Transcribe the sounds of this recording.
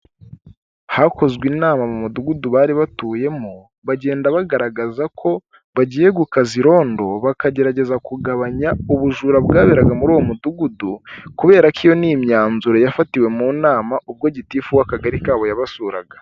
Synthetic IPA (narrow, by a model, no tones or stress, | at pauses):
hako̞zɡwinaːmamumuduɡuduβaːɾiβatuːje̞mu | βaɟe̞ːndaβaɡaɾaɡazakʰo̞ | βaɟiːje̞ɡukaziɾo̞ːndo̞βakaɟe̞ɾaɟe̞zakuɡaβaɲauβuʒuːɾabɡaːβeɾaɡamuɾuːwo̞muduɡudukuβe̞ːɾakʰijo̞niːmɲaːnzuɾo̞jafatiwe̞muːnaːmaʔub̚ɡo̞ɟitiːfuwakaɡaɾikaːβo̞jaβasuːɾa̰ɡḁ